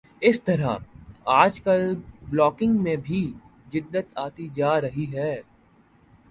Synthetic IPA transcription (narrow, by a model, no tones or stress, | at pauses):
ɪst̪ɐɾa̰aːd͡ʒkəlblɔːkɪ̃ŋɡmẽbʱi | d͡ʒɪd̪ːət̪aːt̪id͡ʒaːɾɐɦiɦɛː